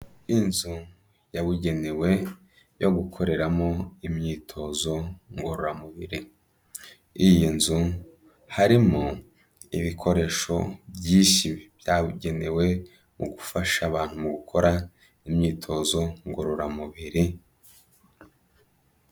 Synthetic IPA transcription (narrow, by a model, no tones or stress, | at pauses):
inzu | jaβuɟe̞newe̞ | jo̞ɡukʰo̞ɾe̞ɾamo̞imɲiːtʰo̞zo̞ŋɡoɾoɾamuβiɾi | ijinzu | haɾimo | iβikʰo̞ɾe̞ːʃo̞̰bjiːʃibjaβuɟe̞newe̞ | muɡufaʃaːβaːn̥humuɡukʰo̞ɾa | imɲiːtʰo̞zo̞ŋɡoɾoɾamuβiɾi